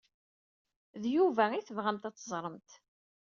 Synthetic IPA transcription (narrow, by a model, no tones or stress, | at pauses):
ðjuvæiθəvʁæmt̪æt͡sːəzˤɾˤəmt̪